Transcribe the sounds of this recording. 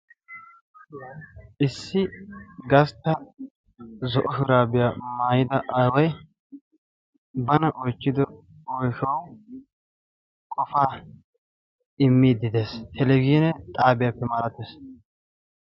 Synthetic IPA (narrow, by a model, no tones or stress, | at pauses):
ʔɪsːɪɡɐst̪ːɐ | zɔʔɔʃʊɾaːbɪjamaːjɪd̪ɐʔɐwɔj | bɐnɐʔɔjt͡ʃːɪd̪ɔ | ɔjʃɔw | kʼɔfaː | ɪmːiːd̪ɪd̪e̞ːshɛlɛɡiːnɛt̪ʼaːbɪjaːpːɛmaːɾɐt̪ːeːs